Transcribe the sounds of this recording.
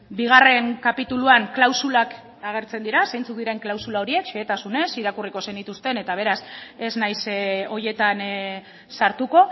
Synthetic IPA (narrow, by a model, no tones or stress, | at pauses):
biɣ̞are̞ŋkapit̪uluaŋklawsulak | aɣ̞e̞ɾt͡se̞nd̪iɾasejnt͡suk̚d̪iɾe̞ŋklawsulao̞ɾie̞kʃeːt̪asune̞siɾakuriko̞se̞nit̪ust̪e̞ne̞t̪aβ̞e̞ɾase̞znajso̞je̞t̪an | saɾt̪uko̞